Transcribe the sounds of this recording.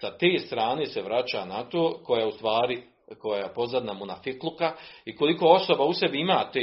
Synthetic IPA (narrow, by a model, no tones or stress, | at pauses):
sat̪eːst̪ɾaːne̞ːseʋɾat͡ɕanat̪oːko̞jaust̪ʋaːɾi | ko̞japo̞zad̪namunafiklˠukaiko̞liko̞o̞so̞bausebiimaːt̪e